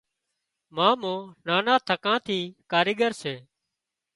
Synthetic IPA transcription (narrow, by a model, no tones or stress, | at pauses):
mãːmõːnaːnãːt̪ʰəkãːt̪ʰiːkaːɾiːɠəɾseː